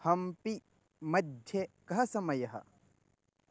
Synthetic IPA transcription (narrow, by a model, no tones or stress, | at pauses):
hɐmpi | mɐd̪ʱjekɐɦɐsɐmɐjɐɦɐ̰